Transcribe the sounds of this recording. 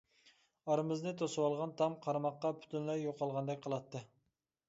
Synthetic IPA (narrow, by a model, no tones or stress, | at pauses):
ɑɾɨmɨznɨt̪ʰosɨwɑlˠʁɑnt̪ʰɑmqʰɑɾmɑqːɑpʰy̥t̪ʰynlɛjjoqʰɑlˠʁɑnd̪ɛk̚ʲqʰəlˠɑt̪ʰːɨ